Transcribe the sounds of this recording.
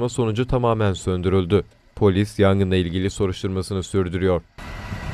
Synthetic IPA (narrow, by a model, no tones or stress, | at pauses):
maso̞nud͡ʒut̪ʰamaːmænsø̞nd̪yɾylʲd̪y | pʰo̞lʲisjanɡɯnˠailʲɟilʲiso̞ɾuʃt̪ʰuɾmasɯnɯsyɾd̪yɾyjo̞ɾ̝̥